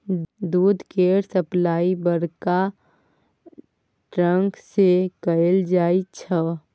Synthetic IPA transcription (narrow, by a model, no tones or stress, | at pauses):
d̪uːd̪ʱkeːɾsəplaːibəɾka | ʈɾə̃ŋksekəeld͡ʒaːit͡ʃʰə